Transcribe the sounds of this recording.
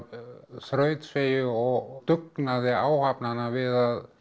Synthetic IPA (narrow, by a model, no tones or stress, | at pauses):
θɾœːɥt̪svejʏɔɣt̪ʏknaðɪaːwhapnanavɪðað